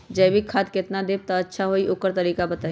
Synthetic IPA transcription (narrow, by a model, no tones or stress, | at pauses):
d͡ʒəjbikʰaːt̪kɪt̪nad̪eːb̚t̪aɐtːʃʰaɦoːiʔʊkəɾt̪ɐɾiːkabɐt̪aː